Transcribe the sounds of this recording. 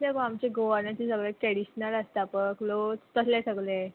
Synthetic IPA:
ekoamt͡ɕeɡoʋəɾnat͡ɕisəɡɭəkɛɽiɕnələst̪aapəklot̪əslesəɡle

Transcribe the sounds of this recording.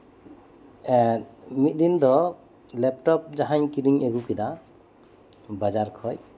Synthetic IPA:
mit̪̚ˀd̪ind̪ɔ | lɛp̚ʈɔp̚d͡ʒaɦaɲkiɾiŋeɡukɛd̪a | bad͡ʒaɾkʰɔj

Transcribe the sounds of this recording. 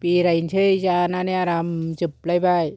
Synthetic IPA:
piːɾaint͡ɕʰɯjt͡ɕaːnaniaɾamt͡ɕɯp̚lajbaj

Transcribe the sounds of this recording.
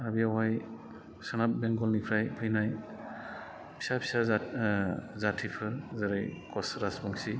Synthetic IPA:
abiawaj | sɯnap̚bɛŋɡɔlnipʰɾajpʰɯjnaj | pʰi̥sapʰi̥sa | zatʰipʰɯzaɾɯjkɔsɾasbɔŋsi

